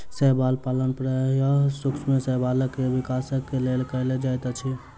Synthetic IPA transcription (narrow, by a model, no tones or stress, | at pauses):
sɛɦbalpalənpɾəjəɦsukt͡ʃʰmesəɦbaləkːebikasəkːelelkəjled͡ʒajt̪t͡ʃʰi